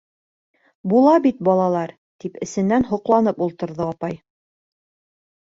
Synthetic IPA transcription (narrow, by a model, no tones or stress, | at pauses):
bulˠɑbit̪̚bɒlˠɑlˠɑɾ | t̪ipɘ̆sɘ̆nːænɦŏqlˠɑnɤpulˠt̪ɤ̆ɾðɤɒpɑj